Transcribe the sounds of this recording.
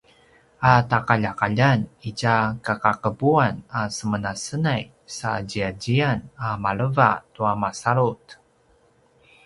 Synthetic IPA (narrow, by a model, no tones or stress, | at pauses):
atakaʎakaʎanicakakakəbuanasəmənasənaj | sa̰ɟiaɟianamaɭəva̰tuamasaɾut